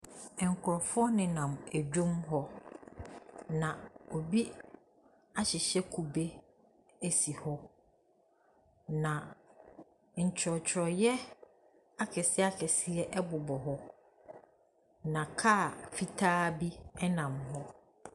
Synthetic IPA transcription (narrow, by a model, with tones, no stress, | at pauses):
ɛ˨ŋ˨kʰʊ˨ɾɔ˨fʊ˦ɔ˦nɪ̃˨nã˨mæ˨d͡ʑᶣõ˦mɦɔ˦ | nã˨o˨bi˦ | a˦ɕɪ˨ɕɛ˦kʰu˨be˦ | æ˨si˨hɔ˦ | nã˨ | ɲ̩˨t͡ɕʰɪ˨ɾɔ˨t͡ɕʰɪ˨ɾɔ˨jɛ˦ | a˦kʰɛ˨sɪ˦a˦kʰɛ˨sɪ˦ɛ˦ʔɛ˦bʊ˨bɔ˨ɦɔ˦ | nã˨kʰa˦˨fi˦tʰaː˦bi˦ɛ˦nã˨mɦɔ˦